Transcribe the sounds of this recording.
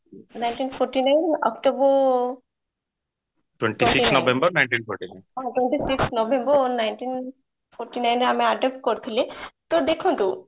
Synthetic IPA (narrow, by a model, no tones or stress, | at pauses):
najnʈiːnpʰoɾʈinajnɔ̰kʈobə | ʈwẽɳʈisiksnɔbẽmbəɾnajɳʈiːnpʰɔɾʈina̰jnɦãʈweɳʈisiksnɔbẽmbənaɪnʈin | pʰoɾʈinaɪnamẽaɖep̚ʈ̚kɔɾt̪ʰilet̪od̪ekʰõnt̪u